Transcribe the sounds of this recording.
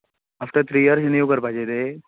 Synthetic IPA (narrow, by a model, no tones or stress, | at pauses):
aːfʈəɾt̪ʰɾiːjəɾsnijukəɾbʱad͡ʒed̪e